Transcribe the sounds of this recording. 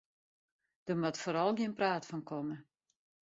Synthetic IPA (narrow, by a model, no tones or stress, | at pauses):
d̥əmatfoːɾɔlˠɡjɪənpraːtfɔnkʰɔmə